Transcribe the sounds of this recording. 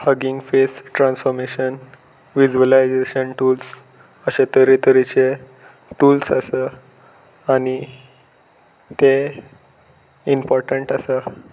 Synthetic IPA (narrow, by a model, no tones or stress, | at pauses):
həɡĩŋɡfesʈɾãnsfɔɾmeɕən | ʋid͡ʑuəlajd͡zeɕənʈuːls | əɕet̪əɾet̪əɾit͡ɕe | ʈuːlsə̰sə | añi | t̪e | impɔɾʈəɳʈəsə